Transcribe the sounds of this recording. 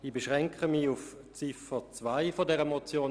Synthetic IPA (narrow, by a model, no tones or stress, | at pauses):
iːbeʃʁɛŋkχəmiuf | t͡sɪfət͡svaɪfɔdɛʁəmɔt͡sjoː